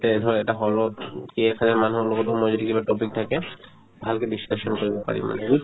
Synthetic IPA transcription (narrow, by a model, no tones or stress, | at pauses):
t̪eed̪ʱɔɹɛɛʈaɦɔlokiɛkhazaɹmanuɦɔlokɔt̪omɔd͡ʒɔtikibaʈopik̚t̪ʰake | bʱalkediskeʃɔnkoɹibɔpa̰ɹḭma̰nɛɡu